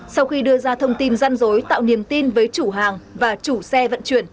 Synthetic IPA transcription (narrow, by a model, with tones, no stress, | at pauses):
sa˧wxi˧ɗɨ˧əzaː˧t̪ʰə˧wŋ͡mt̪i˧nza˧jŋzo˨˦jt̪a̰ː˧˨wni˨˩əmt̪i˧nvəː˨˦jt͡ɕu˧˩ɦaː˨˩ŋvaː˨˩t͡ɕu˧˩sɛ˧və̰˧˨nt͡ɕwi˧˩ən